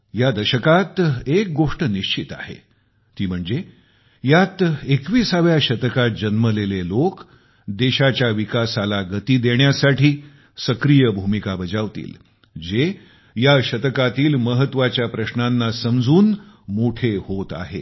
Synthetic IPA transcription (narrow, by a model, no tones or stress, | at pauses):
jad̪əɕəkat̪ek̚ɡoʂʈəniɕt͡ɕit̪a̰ɦḛ | t̪iːm̤əɳd͡ze | jat̪ekʋiːsaʋjaɕət̪əkat̪̚d͡ʑənməlelelok | d̪eɕat͡ɕjaʋikasalaɡət̪iːd̪eɳjasaʈʰiː | səkɾijəbʱumikabəd͡zaʋt̪ḭːl | d͡ze | jaɕət̪kat̪iːlməɦət̪ːʋat͡ɕjapɾəɕnanːasəmd͡zuːn | moʈʰehot̪a̰ɦe